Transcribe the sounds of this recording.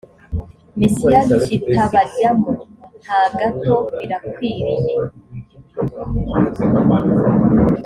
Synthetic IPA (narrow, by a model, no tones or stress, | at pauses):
misiat͡ʃitʰaβaɟamon̥haɡatoβiɾakwiːɾiɲe